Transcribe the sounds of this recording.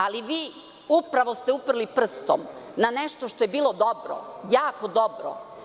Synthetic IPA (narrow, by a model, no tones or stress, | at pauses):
aliʋiː | upɾaʋost̪eupr̩lipr̩st̪o̰mnanɛʃt̪oʃt̪ojebiːlˠod̪obɾo̰jaːkod̪obɾo̰